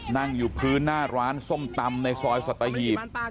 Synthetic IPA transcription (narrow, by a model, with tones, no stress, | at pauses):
na˥˩ŋjuː˨˩pʰɯː˦˥nːaː˥˩ɾaː˦˥nso˥˩mt̪a˧mna˧jsɔː˧jsa˨˩t̪ːa˧ɦiː˨˩p̚